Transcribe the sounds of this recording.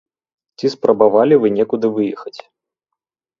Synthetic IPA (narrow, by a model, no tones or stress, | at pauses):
t͡sʲispɾɐbavalʲivɨnʲɛkud̪ɨvɨjɛxɐt͡sʲ